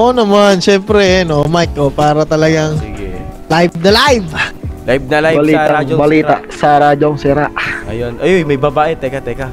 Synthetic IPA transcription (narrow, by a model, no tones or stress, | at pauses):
ʔonɐmanʃɛmpɾɛnomajkʔopaːɾɐt̪ɐlɐɡaŋɡɛlajb̚nɐlajvlajb̚nɐlajbɐliːt̪ad͡ʒbɐliːaʔsɐɾaːd͡ʒoŋsɪɾaʔɐjonɐjojmɐjbɐbaːʔet̪ɛkat̪ɛka